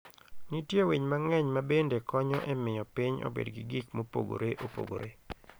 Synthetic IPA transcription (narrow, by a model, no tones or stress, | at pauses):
nitjeweɲmaŋɛɲmabendekɔɲɔʔɛmɪjɔpiɲo̰bḛdɡɪɡikmopo̰ɡo̰ɾeʔopo̰ɡo̰ɾe